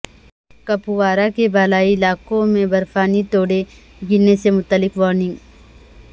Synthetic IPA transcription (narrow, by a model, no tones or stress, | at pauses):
kɐpuʋaːɾakebaːlaːilaːkõmẽbɐɾfaːnit̪oːɽe | ɡɪnːesemʊt̪əlːɪkʋɔːɾnɪ̃ŋɡ